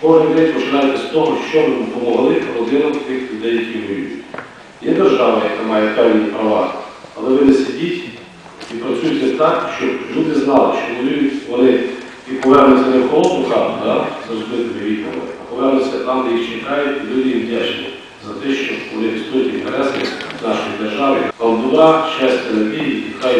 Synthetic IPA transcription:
kɔɦɪnʲd̪ɛtʲpɔʃɪlʲajʊt̪ɛst̪ɔɦɔʃt͡ʃɔpɔmɔɦɐlˠɪkɔlˠɔd̪ɪnɔwt̪ɪxlʲʊd̪ɛjjɐkʲiʋɔjʲujʊtʲ | jɛd̪erʒɑʋɐjɐkamɑjɛpɛwnʲipɾɐʋɑɐlˠɛʋɪnɛsʲɐdʲitʲ | ipɾɐsʲujʊt̪ʲɛt̪ɑkʃt͡ʃɔblʲud̪ɪznɑlˠɪʃt͡ʃɔʋɔlʲujʊtʲʋɔnɪ | ipɔʋɛrnɔsʲt̪ʲɛnɛwkɔlˠɔt̪ʊkɑd̪ɑzrɔzlˠɪt̪ɔmɛʋʲiɔ̰ʋɔ̰ɪ̰ɐpɔʋɛrnɔsʲɐt̪ɑmd̪ɐjixt͡ʃɛkɑjʊtʲilʲud̪ɪjimdʲat͡ʃlˠɪ̰ | zɐt̪ɛʃt͡ʃɔʋɔnɪpʲist̪ujʲʊtʲiint̪ɛɾɛsnɪ̰znɑʃɔjid̪erʒɑʋɪk̪ɐld̪ʊɾɑʃɛsʲt̪ʲt̪ʲɐnɐbʲiiikɑj

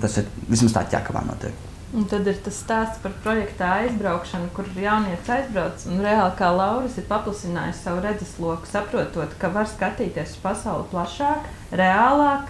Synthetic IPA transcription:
t̪asiɾʋismast̪a̰ːt̪ʲja̰ːkaʋa̰ːnuɔt̪ḭɛk | unt̪ad̪iɾt̪asst̪aːst̪spaɾpɾɔjɛkt̪aːajzbɾawkʃɐnukuɾɪɾjawniɛt̪sajzbɾaʊt̪sunɾeaːlˠkaːlˠɑwɾisiɾpaplˠɐsina̰ːjssaʋuɾɛd̪ɛslˠuɔku̥sapɾuɔt̪uɔt̪kaʋaɾskat̪iːt̪iɛsu̥spasawlˠplˠaʃɑːk | ɾeaːlˠɑːk

